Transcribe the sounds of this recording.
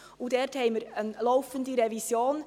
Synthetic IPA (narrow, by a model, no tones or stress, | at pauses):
ʊdɛɾthɛɪməɾənlɔʊfəndiɾɛvisjoːn